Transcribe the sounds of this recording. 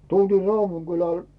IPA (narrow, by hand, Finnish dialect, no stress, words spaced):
tultiː rɑuʋuŋɡ̊ylæl